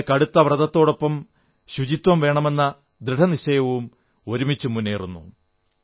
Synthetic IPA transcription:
kɐɽut̪ːɐʋrɐðɐt̪ːo̞ːɽo̞pːɐm | ɕud͡ʑit̪wɐmʋe̞ːɳɐme̞nːɐ | d̪ɾiʈʰɐniɕɐjɐʋum | o̞ɾumit͡ɕːumunːeːrunːṵ

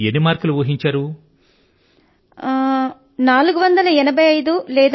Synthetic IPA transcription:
enimaːɾkɐluʋuːɦiɲt͡ʃaːɾu | naːluɡuʋɐnd̪ɐlɐɛnɐbʱɐjɐjd̪ulɛːd̪

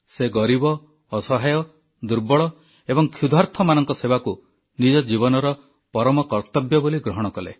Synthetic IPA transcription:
seɡɔɾibɔː | sɔɦajɔ | d̪uɾbɔɭɔ | ebɔŋkʰjud̪ʱaɾt̪ʰɔmanɔŋkɔsebaku | nid͡ʒɔd͡ʒibɔnɔɾɔ | pɔɾɔmɔkɔɾt̪ɔbjɔboliɡɾɔɦɔɽ̃ɔkɔlḛ

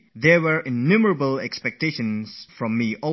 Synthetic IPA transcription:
ðɛwəɹʔɪnuməɹəbəlɛ̰kspɛk̚teʃə̃nsfɹɔ̃mːiʔɔ

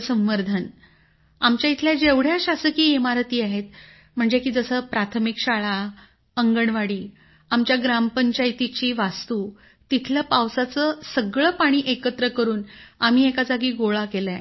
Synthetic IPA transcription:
səmʋəɾd̪ʱən | amt͡ɕjait̪ʰljad͡ʑeʋɽ̤jaɕasəkiːemaɾt̪iːaɦet̪̚ | m̤əɳd͡zekiːd͡zəsəːpɾat̪ʰəmikɕaɭa | əŋɡəɳʋaɽiː | amt͡ɕjaɡɾampəɲt͡ɕajt̪it͡ɕiːʋast̪uː | t̪it̪ʰljəpawsat͡səsəɡɭəpaɽ̃iːʔekət̪ɾəkəɾuːnam̤iːekad͡zaɡiːɡoɭakela

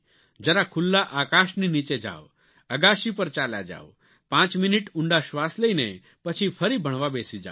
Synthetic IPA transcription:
d͡ʒəɾakʰulːaʔaːkaːʃninit͡ʃed͡ʒa̰ːʋ | əɡaːʃipəɾt͡ʃaːlja̰d͡ʒa̰ːʋ | pãːt͡ʃminɪʈuɳɖaʃʋaːsleine | pət͡ʃʰipʰəɾibʱəɽ̃ʋabeːsid͡ʒa̰

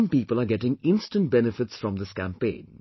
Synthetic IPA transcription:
mpiːpəlˠaɡɛʈɪ̃ŋɪ̃nstə̃nt̚b̥ɛnɪfɪtsfɹʌ̃md̪ɪskæ̃mpẽɪ̃n

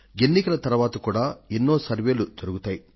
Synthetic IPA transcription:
enːikɐlɐt̪ɐɾuʋaːt̪ɐkuːɽaːenːo̞ːsɐɾʋe̞ːlud̪oɾuɡut̪aːji

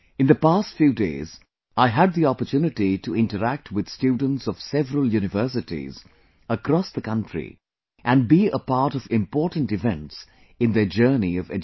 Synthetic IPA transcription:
ɨ̃nðəpastfjudeɪz | aɪɦəd̪̚ðiɔpətʰunɨtituɪ̃ntəæk̚tʰwɨd̪̥stjuːdⁿn̩tsʌv̥sɛvəɾəl̩ˠjuːnɨvɜ˞s̬ɨtḭz | əkɾɔsðəkʌ̃ntɹ̥ḭ | ʔæ̃nbiəpɑɹɾʌvɪ̃mpɔɹtn̩tɨvɛ̃nts | ɨ̃nðəd͡ʒɜ˞niʌvɛd͡ʒ

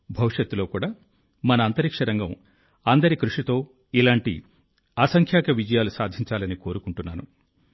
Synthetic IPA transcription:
bʱɐʋiʂjɐt̪ːulo̞ːkuːɽaː | mɐnɐːnt̪ɐɾikʂɐɾɐŋɡɐm | ɐnd̪ɐɾikɾuʂit̪o̞ː | ilaːɳʈḭ | aːsɐŋkʰjaːkɐʋid͡ʒɐjaːlusaːd̪ʱiɲt͡ʃaːlɐniko̞ːɾukuɳʈunːaːnṵ

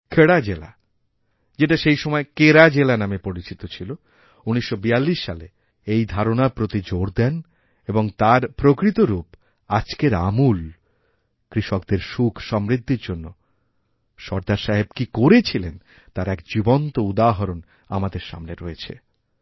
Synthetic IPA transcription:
kʰeɽad͡ʑela̰ | d͡ʑeʈaʃejʃɔmɔekeɾad͡ʑelanamepoɾit͡ɕit̪ot͡ɕʰilo | uniʃːobijalːiʃːale | ejd̪ʱaɾonapɾot̪id͡ʑoɾd̪ɛn | eboŋt̪aɾpɾokɾit̪oɾup | ad͡ʑkeɾa̰mul | kɾiʃokd̪eɾʃukʰʃɔmɾid̪ʱːiɾd͡ʑonːo | ʃɔɾd̪aɾʃaɦebkikoɾet͡ɕʰilen | t̪aɾɛkd͡ʑibont̪oud̪aɦɔɾon | a̰mad̪eɾʃa̰mneɾɔet͡ɕʰḛ

